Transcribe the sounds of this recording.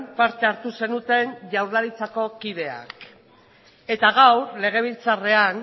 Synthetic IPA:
npaɾt̪e̞aɾt̪use̞nut̪e̞nʝawɾðaɾit͡sako̞kið̞e̞a̰k | e̞t̪aɣawɾle̞ɣ̞e̞β̞ilt͡sare̞an

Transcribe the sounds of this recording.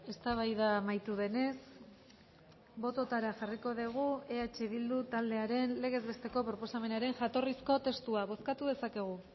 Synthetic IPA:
e̞st̪aβ̞ajðamajt̪uðe̞ne̞s | bo̞t̪o̞t̪aɾaʝariko̞ðeɣ̞ue̞at͡ʃe̞βild̪ut̪ald̪e̞aɾe̞nle̞ɣ̞ezβe̞st̪e̞ko̞pɾo̞po̞same̞naɾe̞ŋʝat̪o̞risko̞t̪e̞st̪uaβo̞skat̪uð̞esake̞ɣ̞u

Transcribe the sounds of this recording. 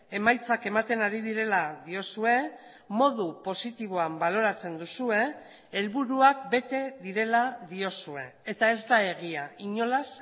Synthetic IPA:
e̞majt͡sake̞mat̪e̞naɾið̞iɾe̞laðio̞sue̞ | mo̞ðupo̞sit̪iβ̞o̞ambalo̞ɾat͡se̞nd̪usue̞ː | lβuɾuak̚be̞t̪e̞ðiɾe̞laðio̞sue̞ːt̪ae̞zd̪ae̞ɣ̞iaiɲo̞las

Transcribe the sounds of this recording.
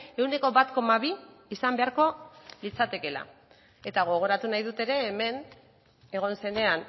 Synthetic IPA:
e̞wne̞ko̞βat̪ko̞maβ̞iː | sambe̞aɾko̞lit͡sat̪e̞ke̞la̰ | e̞t̪aɣ̞o̞ɣ̞o̞ɾat̪unajðut̪e̞ɾe̞ːme̞n | e̞ɣ̞o̞nse̞ne̞an

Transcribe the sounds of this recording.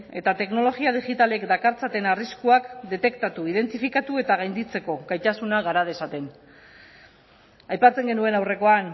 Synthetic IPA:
e̞t̪at̪e̞kno̞lo̞ɣiað̞iɣit̪ale̞kd̪akaɾt͡sat̪e̞nariskuakd̪e̞t̪e̞kt̪at̪uið̞e̞nt̪ifikat̪ue̞t̪aɣ̞ajnd̪it͡se̞ko̞ɣajt̪asunaɣaɾað̞e̞sat̪e̞n | ajpat͡se̞ŋɡe̞nue̞nawre̞ko̞an

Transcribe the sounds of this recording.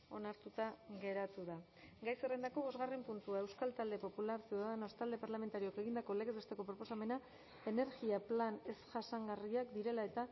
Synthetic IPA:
o̞naɾt̪ut̪aɣe̞ɾat̪uða | ɡajserend̪ako̞βo̞zɣare̞mpunt̪uae̞wskalt̪ald̪e̞po̞pulaɾseðaðeno̞st̪ald̪e̞paɾlame̞nt̪aɾio̞ke̞ɣ̞ind̪ako̞leɣezβest̪e̞ko̞pɾo̞po̞same̞na | e̞ne̞ɾɣiaplane̞sʝasaŋɡariakd̪iɾe̞lae̞t̪a

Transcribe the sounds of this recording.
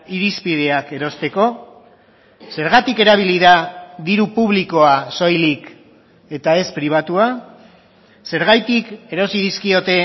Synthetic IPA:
iɾispið̞e̞ake̞ɾo̞st̪e̞ko̞ | se̞ɾɣat̪ike̞ɾaβ̞iliðaðiɾupuβliko̞aso̞jlik | e̞t̪ae̞spɾiβ̞at̪ua | se̞ɾɣ̞ajt̪ike̞ɾo̞siðiskio̞t̪e̞

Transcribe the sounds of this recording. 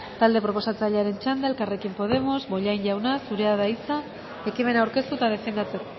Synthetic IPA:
t̪ald̪e̞pɾo̞po̞sat͡saʎeaɾe̞nt͡ʃand̪aelkare̞kimpo̞ð̞e̞mo̞zbo̞ʎajnʝawnasuɾe̞aðaisa | e̞kime̞nawɾke̞st̪ut̪aðe̞fe̞nd̪at͡se̞ko

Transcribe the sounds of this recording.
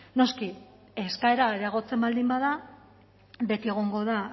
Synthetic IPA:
no̞ski | e̞skae̞ɾaðeaɣo̞t͡se̞mbald̪imbaða | be̞t̪ie̞ɣ̞o̞ŋɡo̞ða

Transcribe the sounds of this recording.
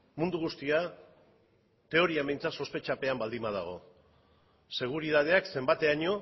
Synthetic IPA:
mund̪uɣ̞ust̪ia | t̪e̞o̞ɾiambejnt͡sat̪so̞spe̞t͡ʃape̞ambald̪imað̞a̰ɣ̞o̞̰ | se̞ɣ̞uɾiðað̞e̞akse̞mbat̪e̞aɲo̞

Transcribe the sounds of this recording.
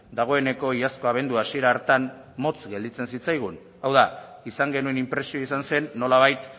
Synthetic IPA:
d̪aɣ̞o̞e̞ne̞ko̞iasko̞aβ̞e̞nd̪uasie̞ɾaːɾt̪an | mo̞t͡sɡe̞ld̪it͡se̞nsit͡sajɣ̞un | awðaisaŋɡe̞nue̞nimpɾe̞sio̞isanse̞nːo̞laβ̞ajt̪

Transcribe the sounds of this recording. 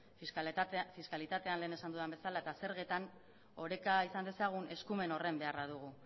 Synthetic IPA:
fiskalit̪at̪e̞anle̞ːne̞sand̪uðambe̞salae̞t̪ase̞ɾɣe̞t̪an | o̞ɾe̞kaisand̪e̞saɣ̞une̞skume̞no̞re̞mbe̞araðuɣ̞u

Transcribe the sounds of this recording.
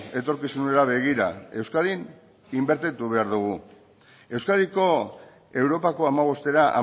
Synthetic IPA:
e̞t̪o̞ɾkisuneɾaβe̞ɣiɾa̰e̞wskaðin | imbe̞ɾt̪et̪uβe̞aɾðuɣ̞u | e̞wskaðiko̞ | e̞wɾo̞pako̞amaβ̞o̞st̪e̞ɾaʔa̰

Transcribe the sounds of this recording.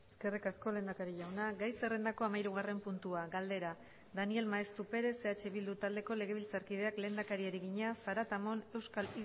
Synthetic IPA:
eske̞rikasko̞le̞ːnd̪akaɾiʎawnaɡajse̞re̞nd̪ako̞amajɾuɣ̞are̞mpunt̪uaɡald̪e̞ɾa | ðanie̞lmaest̪upe̞ɾe̞se̞at͡ʃe̞βild̪ut̪ald̪e̞ko̞le̞ɣ̞e̞β̞ilt͡saɾkið̞e̞akle̞ːnd̪akaɾiaɾiɣiɲasaɾat̪amo̞ne̞wskali

